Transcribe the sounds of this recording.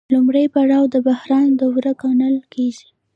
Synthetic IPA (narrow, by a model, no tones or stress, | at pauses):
lʊmɽəjpaɽɑwd̪əbahɾɑnd̪əwɾəkɑnəlkeʒi